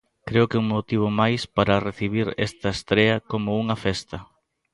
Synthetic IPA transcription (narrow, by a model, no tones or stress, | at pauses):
kɾeʊkeuŋmot̪iβ̞ʊmajspaɾɐreθiβiɾɛ̰st̪ɐest̪ɾeɐkomʊuŋɐfɛst̪ɐ